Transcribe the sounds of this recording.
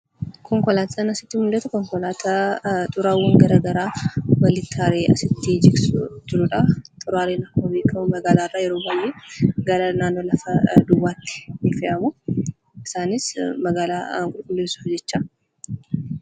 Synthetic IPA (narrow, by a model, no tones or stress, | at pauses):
kɔŋkɔlaːt̪sɐnɐsɪ̥t̪ːɪmʊlːɐt̪ɐkɔŋkɔlaːt̪ʰat̪ʼʊɾaːwːɐŋɡɐɾaːɡɐɾaːwɐlɪt̪ʰːaːɾeːɐ̰sɪt̪ːɪd͡ʒɪɾsʊd͡ʒɪɾʊᶑɐt̪ʼʊɾaːɾeːnɐkːoːbeːkːɐmʊmɐɡaːlaːrːaːjɛɾoːbɐlːeɡɐɾɐnaːnːo̞ːlɐfɐd̪ʊwːaːt̪ːɪ̥nɪfɛʔɐmʊ | ɪsaːnɪsmɐɡaːla̰ːŋkʼʊlkʼʊlːeːsʊ̥fd͡ʒɛt͡ʃːa